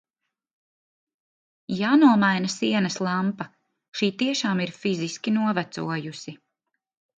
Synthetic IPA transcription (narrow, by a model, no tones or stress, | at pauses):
jaːnuɔmajnɐsiɛnɐslˠampɐ | ʃiːt̪iɛʃaːmiɾfiziskʲinuɔvæt̪sṵɔjusi